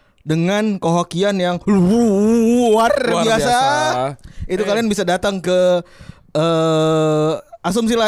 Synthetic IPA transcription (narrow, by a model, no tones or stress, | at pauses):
dəŋankoɦakianjaŋlu | arbiasa | it̪ukalianbisadat̪aŋkə | ə | ʔas̬ɔms̬ila